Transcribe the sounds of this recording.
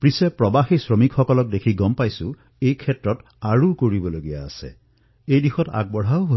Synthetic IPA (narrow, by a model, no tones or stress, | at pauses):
pɹisepɹɔbaxisɹɔmikxɔkɔlɔk̚dekʰiɡɔmpajsu | ejkʰɛtɹɔt | aɹukoɹibɔloɡija̰ːsḛ | ejdixɔta̰ɡ̚bɔɽaoʊɦo